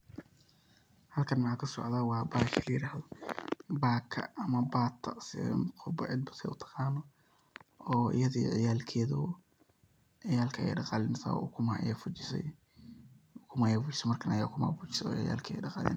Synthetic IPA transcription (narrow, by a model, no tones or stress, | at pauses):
hɐlkʰɐnmɐħaːkʰɐsɔ̰ʕðaːwɑːbaːkʰɪlɐjɪɾaːhðɔbaːkʰɐ̰ɐmɐbaːt̪ʰːɐsɪ̰qʰɔbɔʕɪd̪̚bɐsɛ̰jʊt̪ʰɑ̥qɑːnɔ | ɔːɪ̰jɐðḭʕɪjaːlkʰɛːðɔ | ʕɪjaːlkʰɐɛ̰jɖɑqɑːlɪnsɐ̰ʊkʰʊmaʔɛfʊt͡ʃɪsɛ̰ | kʰʊmajɛfʊt͡ʃɪ̥sɛmɐrkʰɐnɐjaːkʰʊma̰fʊt͡ʃɪ̥sɛɔːʕɪja̰ːlkʰɛ̰jɖɑqɑ̰ːlɛ̰n